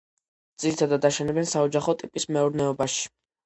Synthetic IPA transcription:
d̪z̥iɾit̪ʰad̪ad̪aʃɛnɛbɛnsaɔd͡ʒaχɔt̪ʼipʼismɛuɾnɛɔbaʃi̥

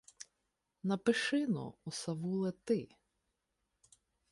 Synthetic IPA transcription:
nɐpɪʃɪnɔ̰ɔsɐʋulˠɛt̪ɪ

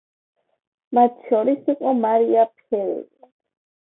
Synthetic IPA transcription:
mat̪ʰʃɔɾisiqʼɔmaɾiapʰɛɾɛ̰l

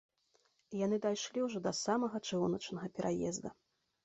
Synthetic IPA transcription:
janɨd̪ajʂlʲiwʐɔd̪ɐsamɐɣɐt͡ʂɨunɐt͡ʂnɐɣɐpʲɛɾʔajɛ̰zd̪ɐ

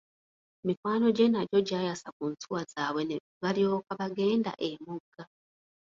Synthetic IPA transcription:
emikwaːno̞ɟenaɟo̞ɟaːjasakunt͡suwazaːwene | βalio̞kaβaɡe̞ːnda̰ʔemuɡːa

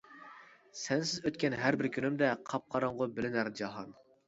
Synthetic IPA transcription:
sɛnsɪzøt̪kʲɛnɦæɾbɪɾkʲʰynymd̪ɛqʰɑp̚qʰɑɾɑŋʁʊbɪlɪnæɾd͡ʒɑɦɑn

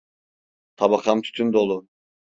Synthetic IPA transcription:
t̪ʰɑbɑqɑmt̪ʰy̥t̪ʰynd̪olˠu

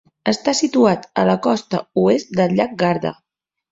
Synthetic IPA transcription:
əst̪asit̪uat̪ələkɔst̪ə̰uest̪̚d̪əlʎak̚ɡaɾðə̰

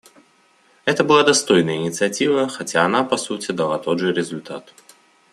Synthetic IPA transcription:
ɛt̪əbɨlˠad̪ɐst̪ojnəjəɪnʲɪt̪sɨɐtʲivəxɐtʲaːnapɐsutʲɪd̪ɐlˠat̪od̪ʐɨɾʲɪzʊlʲt̪at̪

